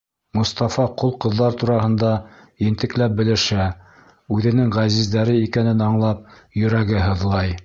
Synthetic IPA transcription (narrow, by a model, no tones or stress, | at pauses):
mŏst̪ɑfɑqolˠqɤ̆ðːɑɾt̪uɾɑɦɤ̆nd̪ɑjɘ̆nt̪ɘ̆klæp̚bɘ̆lɘ̆ʃæ | ʉðɘ̆nɘŋʁæzizd̪æɾɘikænɘnɑɴlˠɑp̚ | jɵ̆ɾæɡɘɦɤ̆ðlˠɑj